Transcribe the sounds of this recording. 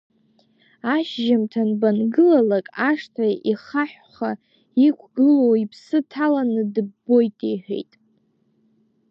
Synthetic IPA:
aʃʒamtʰanbanɡɨlalakʼaʂtʰaiχaħᶣ | χa | ikʷʰɡɨlowipʰsɨtʰalanɨdɨbːo̞jtʼiħʷᶣḛjtʼ

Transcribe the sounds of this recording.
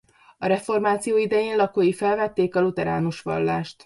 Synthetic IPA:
ɒɾɛfo̞rmaːt̪sijoːid̪ɛjeːnlɒkoːjifɛlvɛt̪ːeːkɒlut̪ɛɾa̰ːnuʃʋɒ̰lːaːʃt̪

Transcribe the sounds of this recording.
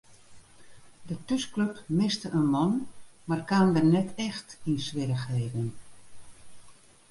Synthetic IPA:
dətøskløpmɪstəʔənmɔnmarkandərnɛtʰɛxtinsʋɪɾəxeːvən

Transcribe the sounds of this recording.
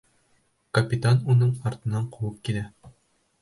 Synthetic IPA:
kɐpʲit̪anunɤɴɒɾt̪ɤ̆nɑɴqowɤp̚kilæ

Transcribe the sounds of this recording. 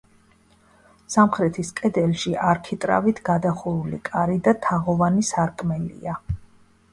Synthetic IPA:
samχɾɛt̪ʰiskʼɛd̪ɛlʃiʔaɾkʰit̪ʼɾa̰vit̪ʰɡad̪aχuɾulḭkʼaɾid̪at̪ʰaʁɔvanisaɾkʼmɛlḭa

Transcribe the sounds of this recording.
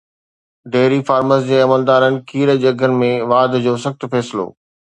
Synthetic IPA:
ɖeːɾifaːɾməsd͡ʑeːɐməld̪aːɾənɪ̆kʰiːɾd͡ʑɐɡʱənɪ̆mẽʋaːd̪ʱd͡ʑoːsɐxt̪fɛːsɪlo̰ː

